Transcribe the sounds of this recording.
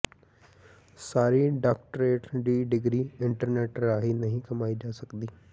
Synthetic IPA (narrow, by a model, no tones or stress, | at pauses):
saːɾiːɖaːk̚ʈəɾeːʈɖ̪iːɖɪɡɾiːɪɳʈəɾneːʈɾaːɦiːnəɦĩːkəmaːiːd͡ʒaːsəkd̪iː